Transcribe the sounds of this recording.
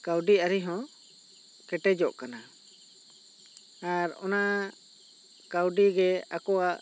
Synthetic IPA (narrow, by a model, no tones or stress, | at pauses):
kawɖiaɾiɦɔ̃ | kɛʈɛd͡ʒɔʔkana | aɾɔ̰na | kawɖiɡɛa̰kɔaʔ